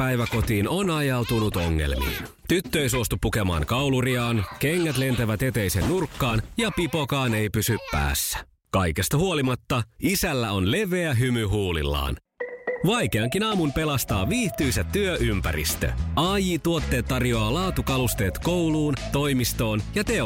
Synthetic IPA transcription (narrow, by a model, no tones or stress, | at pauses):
æjʋæko̞t̪iːnonɑjɑwt̪unut̪oŋːe̞̰lmḭːn | t̪yt̪ːøejsuost̪upːukemɑ̰ːŋkɑwluriɑːnkeŋːæt̪le̞nt̪æʋæt̪e̞t̪ejse̞nːurkːɑːnjɑpipo̞kɑːne̞jpysyppæ̰ːsːæ̥ | kɑjke̞st̪ɑhuolimɑt̪ːɑisælːæo̞nle̞ʋeæɦymyɦuːlḭlːɑ̰ːn | ʋɑjke̞ɑŋkinɑːmunpe̞lɑst̪ɑːʋiːht̪yjsæt̪ːyøʔympæ̰ɾḭst̪ø̰ɑjit̪uot̪ːe̞ːt̪ːɑrjo̞ɑːlɑːt̪ukɑlust̪e̞ːt̪ko̞wluːnt̪o̞jmist̪o̞ːnjɑt̪e̞